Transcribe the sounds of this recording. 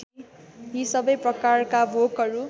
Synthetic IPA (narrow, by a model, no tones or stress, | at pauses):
ɦisʌbʌjprʌkarkabʱokɦʌɾu